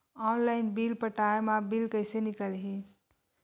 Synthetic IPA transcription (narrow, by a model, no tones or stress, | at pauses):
ɔnlaɪnbilpəʈaemabilkəɪsenikəlɦi